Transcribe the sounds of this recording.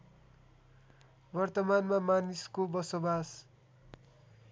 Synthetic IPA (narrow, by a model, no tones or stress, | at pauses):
bʌrt̪ʌmanmamaniskobʌsobas